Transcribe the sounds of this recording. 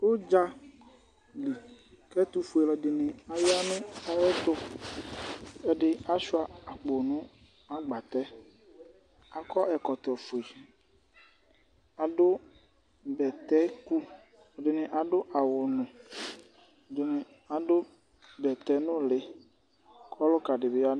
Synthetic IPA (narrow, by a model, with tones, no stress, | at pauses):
wo˦d͡ʒa˦ | li˨ | kɛ˦t̪u˦fu˨e˨lɔ˨ɖɪ˨nɪ̃˨a˨jo˦a˦mẽ˦a˦wɛ˦t̪o˦ | ɛ˦ɖɪ˦a˦ʃu˦a˨a˨k͡po˨nũ˦ | a˦ɡ͡ba˨t̪ɛ˦ | a˨kɔ˦ʔɛ˨kɔ˨t̪ɔ˨fo˨e˨ | a˨dʊ˦ | bɛ˨t̪ɛ˦ku˦˨ | dɪ˨nɪ̃˨ʔa˨ɖʊ˦ʔa˨wʊ˨nʊ̃˨ | dɪ˨nɪ˨ | a˨dʊ˦ | bɛ˨t̪ɛ˦nʊ̃˦lɪ˨ | kʰɔ˦lʊ˦ka˨ɖɪ˨bɪ˨a˦n˦